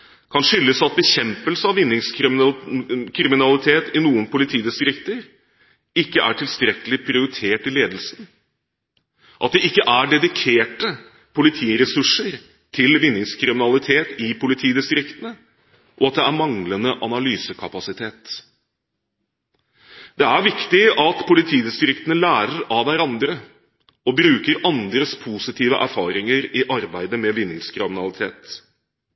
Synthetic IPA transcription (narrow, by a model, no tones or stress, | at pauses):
kʰɑnʂʏlːəsɑt̪̚bəçɛmpəlsəɑʋɪnːɪŋsk | kʰɾɪmɪnɑlɪt̪ʰeːt̪ɪnuːənpʊlɪt̪ʰiːd̪ɪst̪ɾɪkt̪əɾ | ɪkːəʔæʈʰɪlst̪ɾɛkəlɪpʰɾɪʊɾɪt̪ʰeːʈɪleːd̪əl̩sn̩ | ʔɑt̪̚d̪ɛʔɪkːəʔæɖɛd̪ɪkʰeːʈə | pʰʊlɪt̪ʰiːɾɛsʉʂəɾ | t̪ʰɪlʋɪnːɪŋskʰɾɪmɪnɑlɪt̪ʰeːt̪ɪpʰʊlɪt̪ʰiːd̪ɪst̪ɾɪkt̪ənə | ʔɔɑt̪̚d̪ɛæɾmɑŋlənəʔɑnɑlyːsəkʰɑpɑsɪt̪ʰeːt̪ | d̪̥ɛæɾʋɪkt̪ɪɑt̪pʰʊlɪt̪ʰiːd̪ɪst̪ɾɪkt̪ənəlæːɾəɾɑʋʋæɾɑnd̪ɾə | ɔbɾʉːkəɾɑnd̪ɾəspʰusɪt̪ʰiːʋə̰ʔæɾfɑːɾɪŋəɾɪʔɑɾbæɪd̪əmɛʋɪnːɪŋskʰɾɪmɪnɑlˠɪt̪ʰḛːt̪